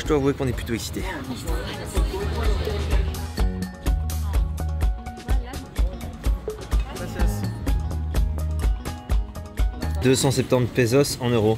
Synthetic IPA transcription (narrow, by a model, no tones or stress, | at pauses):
ʒəd̪wavwekɔ̃nɛplyt̪oɛksi̥t̪e | d̪øsɑ̃sɛp̚t̪ɑ̃t̪pezɔsɑ̃nøʁo